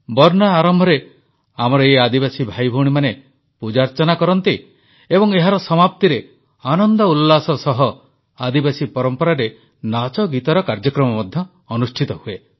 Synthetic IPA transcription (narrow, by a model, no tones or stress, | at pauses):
bɔɾnaːɾɔmbʱɔɾe | amɔɾɔead̪ibasibʱajbʱuɽ̃imane | pud͡ʒaɾt͡ʃɔnakɔɾɔnt̪i | ebɔŋeɦaɾɔsɔmapt̪iɾe | anɔnd̪ɔulːasɔsɔɦɔ | ad̪ibasipɔɾɔmpɔɾaɾe | nat͡ʃɔɡit̪ɔɾɔkaɾd͡ʒɔkɾɔmɔmɔd̪ʱjɔː | nusʈʰit̪ɔɦue